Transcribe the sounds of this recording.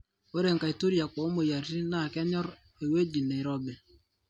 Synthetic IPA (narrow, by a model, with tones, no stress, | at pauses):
o˦ɾe˨ŋka˨i˨tu˦ɾja˨kɔ˨˦mo˨ja˨ɾsi˦na˨kɛ˦ɲɔ˦ɾ | e˨we˦d͡ʒi˨ne˨i˨ɾɔ˦bɛ˨